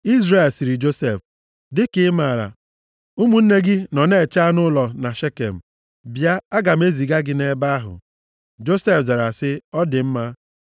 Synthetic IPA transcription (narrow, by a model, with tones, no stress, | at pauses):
i˦zre˨lsi˨ɾi˨d͡ʒo˦se˦˨f | dɪ˦kɪ˦ma˨ɾa̰˨ | u˦mu˨n̩˦ne˦ɡɪ˦nɔ˨ne˦˨t͡ʃa˦nʊ˦lɔ˨na˨ʃe˦kḛ˨m̩˨ | bja˦a˦ɡa˨m̩˦e˦zi˨ɡa˦ɡɪ˦ne˦ba˦a˦ɦʊ̰˨ | d͡ʒo˦se˦fza˨ɾa˨sɪ˦ɔ˦dɪ˨m̩˦ma˦